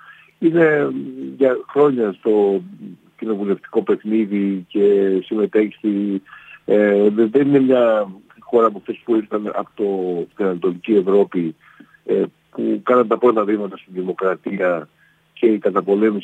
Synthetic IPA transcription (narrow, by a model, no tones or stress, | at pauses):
ine̞ʝɐxɾo̞ɲɐst̪o̞ | cino̞vule̞ft̪i̥ko̞pe̞xniðice̞sime̞t̪e̞çi̥si | eðe̞nine̞mɲɐ | xo̞ɾɐːp̬oft̪e̞spuiɾθɐnɐ̰pot̪ot̪inɐnt̪o̞licie̞vɾo̞pi | e | pukɐnɐnt̪ɐpɾo̞t̪ɐðimɐt̪ɐst̪iðimo̞kɾɐt̪iɐ | cʰe̞ikɐt̪ɐpo̞le̞mis